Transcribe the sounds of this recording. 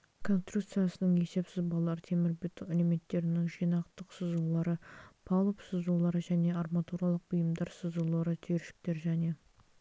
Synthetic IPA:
kʰo̞nst̪rut̪sɨjasənəɴe̞se̞psɪzbɑlˠːɑɾt̪ʰe̞mɪɾbɪt̪eleme̞t̪ːe̞ɾɪnɪŋʒijnɑqt̪əqsəzulˠɑɾəpʰɑlˠəpsəzulˠɑɾəʒæne̞ɑrmɑt̪uɾɑlˠəq̚bijəmd̪ɑɾsəzulˠɑɾət̪ʰeɾʃɪ̥k̚t̪e̞ɾʒæne̞

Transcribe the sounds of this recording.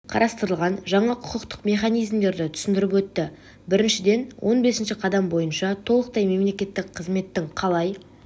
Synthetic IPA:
qʰɑ̰ɾɑst̪əɾəlˠʁɑnʒɑɴɑqʰʊ̥qəqt̪ə̥qme̞χɑnijzmd̪e̞ɾd̪ɪt̪ʰʏ̥sɪnd̪ɪɾɪp̬wɵt̪ːɪ | bɪɾɪnʃɪd̪e̞nwʔo̞nbe̞sɪnʃɪqʰɑd̪ɑmbo̞jənʃɑt̪ʰo̞lˠəq̚t̪ɑjme̞mle̞kʲe̞t̪ːɪkqʰːəzme̞t̪ːɪŋqʰɑlˠɑj

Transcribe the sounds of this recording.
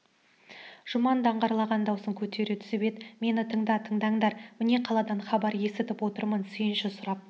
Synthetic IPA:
ʒ̥ʊmɑnd̪ɑɴʁɑɾlˠɑʁɑnd̪ɑwsəŋkʲʰɵt̪e̞ɾut̪ʰʏ̥sɪbed̪ɪme̞nɪt̪ʰəɴd̪ɑt̪ʰəɴd̪ɑɴd̪ɑɾmɪne̞qʰɑlˠɑd̪ɑɴχɑbɑɾje̞sɪt̪ɪpwo̞t̪əɾmənsʏjɪnʃɪsʊɾɑp̚

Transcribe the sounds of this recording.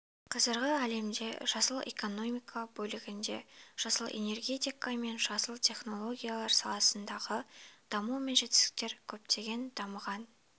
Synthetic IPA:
qʰɑzəɾʁəæle̞md̪e̞̰ʒ̥ɑsəlˠḛko̞no̞mijkʰabɵlɪɡʲɪnd̪e̞̰ʒ̥ɑsəlˠḛne̞rɡʲe̞t̪ʲijkame̞nʒɑsəlˠt̪ʰe̞χno̞lˠo̞ɡʲijalˠɑɾsɑlˠɑsənd̪ɑʁəd̪̥ɑmume̞nʒe̞t̪ɪ̥sɪ̥k̚t̪e̞ɾkʲʰɵpt̪e̞ɡʲe̞nd̪̥ɑməʁɑn

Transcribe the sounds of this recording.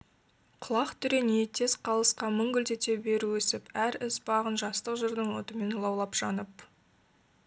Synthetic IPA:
qʰʊlˠɑqt̪ʰʏɾe̞nejt̪ʰe̞zqʰɑlˠəsqɑmʏŋɡʲʏlt̪e̞t̪ʰe̞be̞ɾuwɵsɪpæɾɪsbɑʁənʒɑst̪əqʒəɾd̪əɴwot̪əme̞nlˠɑwlˠɑpʒ̥ɑnəp

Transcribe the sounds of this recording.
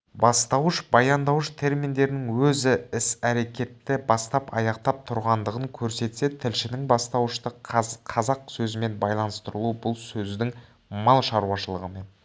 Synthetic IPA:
bɑst̪ɑwəʃbɑjɑnd̪ɑwəʃt̪ʰe̞ɾmind̪e̞ɾɪnɪŋwɵzɪɪsæɾe̞kʲe̞t̪ːɪbɑst̪ɑpɑ̰jɑqt̪ɑp̚t̪ʰʊɾʁɑnd̪əʁəŋkʲʰɵɾse̞t̪se̞t̪ʰɪlʃɪnɪŋbɑst̪ɑwəʃt̪əqʰɑzɑqsɵzɪme̞nbɑjlˠɑnəst̪əɾəlˠubʊlˠsɵzd̪ɪŋ | mɑlˠʃɑɾuɑʃəlˠəʁəme̞n

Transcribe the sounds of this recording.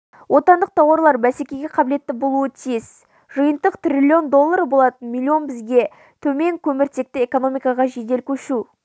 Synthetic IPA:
wʔo̞t̪ɑnd̪əq̚t̪ʰɑwɑɾlˠɑɾbæsekʲe̞ɡʲe̞qʰɑbɪle̞t̪ːɪbo̞lˠuət̪ʰijɪz̥ | ʒ̥əjənt̪əqt̪rʲilʲːio̞nd̪o̞lˠːaɾbo̞lˠɑt̪ənmʲilʲːio̞nbɪzɡʲe̞ | t̪ʰɵme̞ŋkʲʰɵmɪɾt̪ʰe̞k̚t̪ɪeko̞no̞mijkɑʁɑʒe̞d̪e̞lkʲʰɵʃu

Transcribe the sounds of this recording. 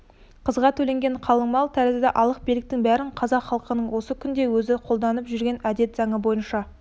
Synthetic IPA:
qʰəzʁɑt̪ʰɵle̞ŋɡʲe̞ɴqʰɑlˠəŋmɑlˠt̪ʰæɾzɪd̪ɪʔɑlˠəq̚bilɪk̚t̪ɪŋbæɾɪɴqʰɑzɑqχɑlˠəqənəɴwo̞səkʲʰʏnd̪e̞wɵzɪqʰolˠd̪ɑnəpʒʏɾɡʲe̞næd̪e̞t̪zɑɴəbo̞jənʃɑ

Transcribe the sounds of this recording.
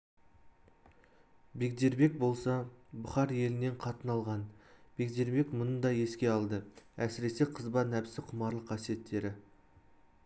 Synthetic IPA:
be̞kd̪e̞ɾbe̞k̚bo̞lˠsɑbʊχɑɾje̞lɪne̞ɴqʰɑt̪ənɑlˠʁɑnb̥e̞kd̪e̞ɾbe̞kmʊnəd̪ɑje̞skʲe̞ɑlˠd̪əæsɪɾe̞se̞qʰəzbɑnæpɪsɪqʰʊmɑɾlˠəqʰːɑsije̞t̪ʰːe̞ɾɪ

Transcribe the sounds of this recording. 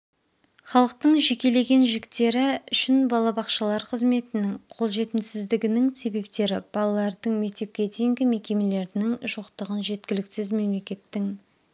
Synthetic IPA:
χɑlˠəq̚t̪əɴʒe̞kʲe̞le̞ɡʲe̞nʒɪkt̪e̞ɾɪʏʃɪnbɑlˠɑbɑqʃɑlˠɑɾqʰəzme̞t̪ɪnɪŋqʰo̞lˠʒe̞t̪ɪmsɪzd̪ɪɡʲɪnɪŋse̞be̞p̚t̪e̞ɾɪb̥ɑlˠɑlˠɑɾd̪əɴme̞k̚t̪e̞p̚kʲe̞d̪ejɪŋɡʲɪme̞kʲe̞me̞le̞ɾɪnɪŋʒoqt̪əʁənʒe̞t̪kʲɪlɪksɪzme̞mle̞kʲe̞t̪ːɪŋ

